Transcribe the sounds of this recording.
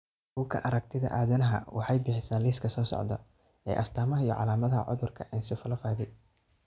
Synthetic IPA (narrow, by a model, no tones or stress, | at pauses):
buːkʰɐ̰ʔɐɾɐk̚t̪ʰɪðɐ̰ʔaːðɐnɐɦɐ̰wɑ̰ħɑjbɪħɪsaːnliːskʰɐsɔːsɔ̰ʕd̪ɐ̰ | ɛ̰ːʔɐst̪ʰaːmɐɦɐijɔʕɑ̰laːmɐðɐɦɐ̰ʕʊ̰ðʊrkʰɐʔɛnsɪfɐlɐfaːðɪ